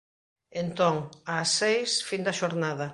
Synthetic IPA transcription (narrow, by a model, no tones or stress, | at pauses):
ent̪oŋasːejsfind̪ɐʃoɾnaðɐ